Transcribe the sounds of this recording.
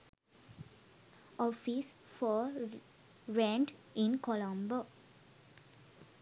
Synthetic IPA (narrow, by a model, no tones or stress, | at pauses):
ɔfis | fɔ | ɾɛ̃ɳʈĩnkɔlãmbo